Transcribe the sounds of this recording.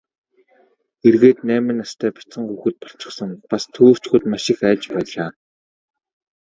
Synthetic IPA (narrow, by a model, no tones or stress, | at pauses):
erɣeːt̪næːmɘ̆nast̪ʰæːpḁt͡sə̆ŋxuːxɘ̆t̪̚pɔɬt͡ɕɪ̆χsə̆ŋpast̪ʰoːr̥t͡ɕɡuːt̪maʃɪ̆xæːt͡ɕpæːɮaː